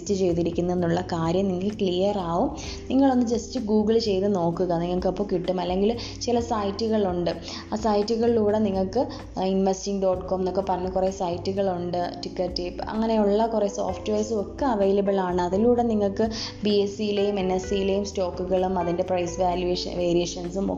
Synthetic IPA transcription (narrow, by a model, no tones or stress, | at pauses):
stɨt͡ɕe̞jt̪iɾikʲːunːɐenːuɭːɐkaːɾjɐmniŋːɐlkɭijɐraːʋum | niŋːɐɭo̞nːɨd͡ʑe̞stɨɡuːɡɨlt͡ɕe̞jt̪ɨno̞ːkːuɣɐniŋːɐɭkːɐpːoːkiʈːumɐlːe̞ŋɡil | t͡ɕilɐsɐjtːuɣɐɭuɳɖɨ | aːsɐjtːuɣɐɭiluːɽe̞niŋːɐɭkɨ | inʋɐstiŋɡɖo̞ːʈkʰoːmnokːepːɐrɐɲːɐkure̞sɐjtːuɣɐɭuɳɖɨʈikːɐʈːipɐ̰ŋːɐne̞uɭːɐkureso̞̰ːfʈʋe̞ːsɨo̞kːɐɐʋejlɐbɐlaːɳɨɐðiluːɽe̞niŋːɐɭkɨbiesijilejumenːesijile̞jumsto̞ːkːuɣɐɭumɐðinde̞prɐjsʋaːljueʂɐ̰ʋe̞ːɾijeːʂɐnsumo